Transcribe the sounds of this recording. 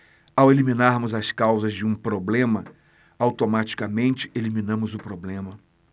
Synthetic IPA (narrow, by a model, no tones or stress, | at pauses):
awelimĩnaɾmʊzɐskawzɐzd͡ʒɪũpɾoblẽmɐ | awt̪omat͡ʃi̥kɐmẽnt͡ʃɪ̥elimĩnɐ̃mʊzʊpɾoblẽmɐ